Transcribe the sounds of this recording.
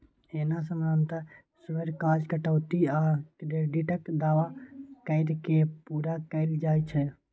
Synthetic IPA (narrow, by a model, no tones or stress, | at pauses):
eːnas̬əmənt̪ə | sʋəɾkaːd͡ʒkəʈəʊt̪iakɾeɖiʈəkd̪aːʋakəɪɾkepuːɾakəɪld͡ʒaːjt͡ʃʰɛ